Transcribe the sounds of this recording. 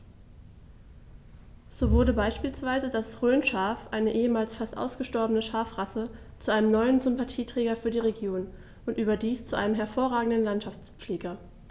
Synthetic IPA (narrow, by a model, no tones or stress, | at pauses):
z̥oːvʊɐɾəbaɪʃpiːlsv̥aɪzədasʁøːnʃaːfʔaɪnəʔeːəmaːlsfastʔa̰ʊsɡ̥əʃtɔɐbənəʃaːfʁasə | t͡suʔaɪnəmnɔʏənzʏmpatʰiːtʁ̥ɛːɡɐfyːɐdiːʁeɡjoːn | ʔʊntʔyːbɐdiːst͡suʔaɪnəmɦɛɐfoːɐʁaːɡŋ̩dənlantʃaft͡sp͡fleːɡɐ